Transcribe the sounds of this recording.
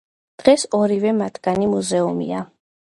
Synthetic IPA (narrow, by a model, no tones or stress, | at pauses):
d̪̥ʁɛsɔɾivɛmat̪ʰɡanimuzɛumḭa